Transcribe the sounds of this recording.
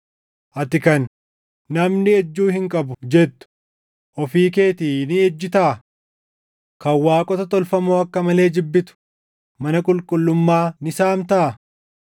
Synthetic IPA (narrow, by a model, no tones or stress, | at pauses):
ʔɐt̪ɪkɐnː | ɐmnɪɛd͡ʒːuːhɪŋkʼɐbʊd͡ʒɛt̪ːʊ̥ | ʔɔfiːke̞ːt̪iːnɪɛd͡ʒːɪt̪aʔ | kɐwːaːkʼɔt̪ɐt̪ɔlfɐmoːɐkːɐmɐle̞ːd͡ʒɪbːɪt̪ʊ̥ | mɐnɐkʼʊlkʼʊlːʊmːaːnɪsaːmt̪ɐʔɐ